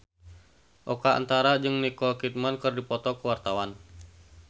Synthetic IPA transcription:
ʔɔkaa̰nt̪aɾad͡ʒɨŋnikɔkit̪̚mankɨrdipɔt̪ɔkəwart̪awan

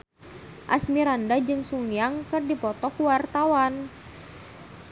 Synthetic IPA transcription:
ʔasmiɾandad͡ʒɨŋsuŋjaŋkɨrdipɔt̪ɔkuwart̪awan

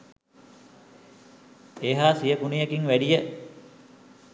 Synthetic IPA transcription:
eːɦaːsijəkunijekiŋʋæɖijə

